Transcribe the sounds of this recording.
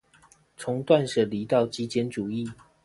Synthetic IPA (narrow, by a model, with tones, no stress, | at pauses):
t͡sʰʊ˧˦ŋt̪wa˥˨nʂɤ˨˩li˨˦t̪ɑ˥˨ʊt͡ɕi˦t͡ɕjɛ˥˦nʈ͡ʂu˨˩i˥˨